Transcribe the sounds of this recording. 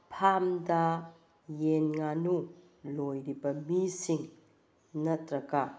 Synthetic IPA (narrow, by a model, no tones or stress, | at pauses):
pʰamda | jenŋanu | lojɾibɐmisiŋ | nɐt̪ɾɐka